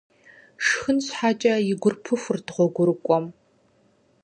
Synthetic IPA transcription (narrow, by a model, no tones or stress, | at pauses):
ʂxɨnɕħaːt͡ʃʼɐjɪɡʷʊrpʰɨxʷʊrdʁʷɔɡʷʊɾɨkʷʼɔm